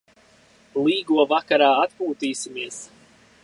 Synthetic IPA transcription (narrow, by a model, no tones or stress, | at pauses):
lˠiːɡuɔvakaɾaːat̪puːt̪iːsimiɛs